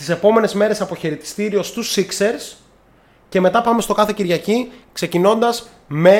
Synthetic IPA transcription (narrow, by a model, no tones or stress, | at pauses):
t̪ise̞po̞me̞ne̞zme̞ɾe̞sɐpo̞çeɾit̪i̥st̪iɾio̞st̪usikse̞ɾs | ce̞me̞t̪ɐpɐme̞st̪o̞kɐθe̞ciɾʝɐcikse̞cino̞nd̪ɐz | me̞